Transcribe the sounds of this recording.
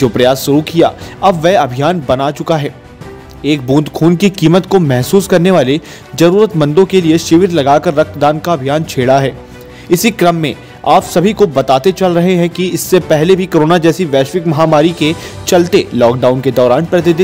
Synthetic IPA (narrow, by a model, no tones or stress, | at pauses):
d͡ʒoːpɾɐjaːsʃʊɾukija̰ːɐbʋɛɦɐbʱijaːnbɐnaːt͡ʃʊkaɦɛː | eːk̚bũːnd̪kʰuːnkikiːmət̪komɛɦsuːskɐɾneʋaːle | zɐɾuːɾət̪mɐ̃nd̪õkelieʃɪʋɪɾlɐɡaːkɐɾːɐk̚d̪aːnkaɐbʱijaːnt͡ʃʰeːɽaɦɛː | ɪsikɾɐmːẽ | aːpsɐbʱikobɐt̪aːt̪et͡ʃɐlɾɐɦeɦɛ̃kiɪsːepɛɦlebʱikoːɾoːnad͡ʒɛːsiʋɛːʃʋɪkmɐɦaːmaːɾike | t͡ʃɐlt̪elɔːk̚ɖaːʊnked̪ɔːɾaːnpɾɐt̪ɪd̪